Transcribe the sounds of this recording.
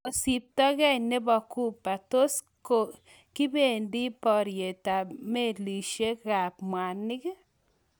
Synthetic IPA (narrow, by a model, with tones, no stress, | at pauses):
o˨si˨p̚tɔ˦ɣɛ˦ne˦bɔ˨ku˦pːa˨to˦s | ko˨ | kɪ˦be˨ndi˦pɔ˨ɾje˨ta˨me˦˨li˨ʃe˦ɣa˨pmwa˨nːɪ˦k